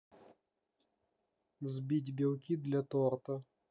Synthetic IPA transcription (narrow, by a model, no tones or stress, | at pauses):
vzbʲitʲbʲɪlˠkʲid̪lʲɐt̪ort̪ə